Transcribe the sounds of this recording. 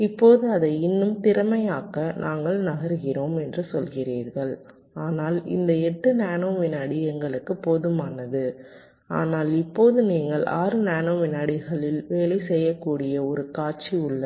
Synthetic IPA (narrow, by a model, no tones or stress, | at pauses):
ɪpːoːðɯɐðɐɪɪnːɯmt̪ɪɾɐmɐjaːkɐnʔaːŋɡɐɭnɐɣɐɾɣɪroːmɛndrɯsɔlɣɪriːɾɣɐɭ | aːnaːlɪ̰nd̪ɐɛʈːɯnaːnoːʋɪnːaːɽɪɛŋɡɐɭɯkːɯpːoːðɯmaːnɐðɯ | a̰ːnaːlɪpːoːðɯniːŋɡɐɭʔa̰ːɾɯnaːnoːʋɪnaːɽɪɣɐɭɪlʋeːlɐɪsɛjːɐkːuːɽɪjɐɔɾɯkaːʈt͡ʃiʊɭːɐ